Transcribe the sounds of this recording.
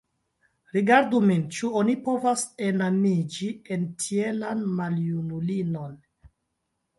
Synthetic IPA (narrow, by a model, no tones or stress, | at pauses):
ɾiɡaɾdumint͡ʃuonipo̞vase̞namid͡ʒie̞ntʰie̞lanmaljunulino̞n